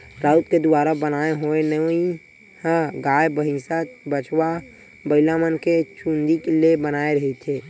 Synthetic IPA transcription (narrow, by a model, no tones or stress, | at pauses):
ɾaut̪̚ked̪uaɾabənaeɦoenəi | hə̃ɡajbəɦĩsatbət͡ʃʰwa | bəɪlamənket͡ʃʰũnd̪ikelebənaeɾəɦit̪t͡ʃe